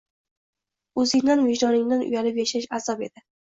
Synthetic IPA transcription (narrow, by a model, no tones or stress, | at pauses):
ɵzɪŋd̪anvɪʒd̪ɒnɪŋd̪anʔʊ̰jalɪpjaʃaʃazɒpe̞̰d̪̥ɪ